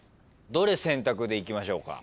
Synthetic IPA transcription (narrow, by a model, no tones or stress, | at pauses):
d̪o̞ɾe̞sẽ̞nt̪akɯ̟d̪eikʲimaɕo̞ːka̰